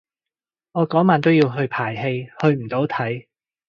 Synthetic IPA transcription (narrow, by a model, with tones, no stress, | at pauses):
ŋɔː˨˧kɔː˨˥ŋmaː˨˧nt̪o˥wjiː˧wɦɵ˧ɥpʰaː˨˩jɦe˧jhɵ˧ɥm̩˨˩t̪o˨˥wt̪ʰɐ˨˥j